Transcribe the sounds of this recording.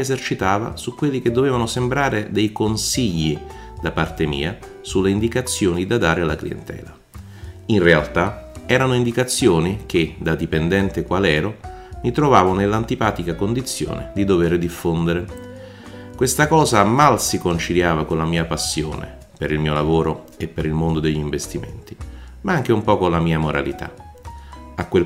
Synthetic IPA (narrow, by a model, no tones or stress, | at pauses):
ezert͡ʃit̪aːva̰sukːwelːik̟ed̪ːoveːvanosembɾaːɾed̪ɛjkonsiʎːi | d̪apart̪emḭːa | sulːeind̪ikat̪sːjoːnid̪ad̪aːɾealːaklḭḛnt̪ɛ̰ːla | inrealt̪aɛːɾanoind̪ikat̪sːjoːnik̟ed̪ad̪ipend̪ɛnt̪ekwalɛːɾo | mit̪ɾovaːvonelːant̪ipaːt̪ikakond̪it̪sːjo̰ːnḛd̪id̪oveɾd̪ifːond̪eɾe | kwest̪akɔːzamalsikont͡ʃiljaːvakonlamiːapasːjo̰ːnḛ | peɾilmiːolavoːɾo | epːeɾilmond̪od̪eʎːiɱvest̪imḛnt̪i | maaŋk̟eumpɔkonlamiːamoɾa̰lit̪a̰ | akːwe